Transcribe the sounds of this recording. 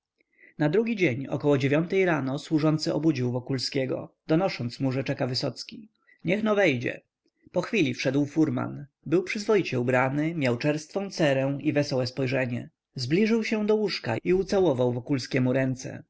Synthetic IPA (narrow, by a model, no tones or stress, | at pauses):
nad̪ɾuɡʲid͡ʑeɲɔ̰kɔwɔd͡ʑevʲjɔnt̪ɛjɾanɔswuʐɔnt̪sɘʔɔ̰bud͡ʑiwvɔkulskʲeɡɔ̰d̪ɔnɔʂɔnt̪smuʐɛt͡ʂɛkavɘsɔt̪skʲi | ɲɛxnɔvɛjd͡ʑɛ̰ | pɔxfʲilʲifʂɛd̪wfuɾma̰n | bɘwpʂɘzvɔjit͡ɕɛubɾanɘmʲjawt͡ʂɛɾst̪fɔ̃w̃t̪sɛɾɛ̃ivɛsɔwɛspɔjʐɛɲɛ | zblʲiʐɘwɕɛ̃d̪ɔwuʂka̰iut̪sawɔvawvɔkulskʲɛmuɾɛnt̪sɛ̰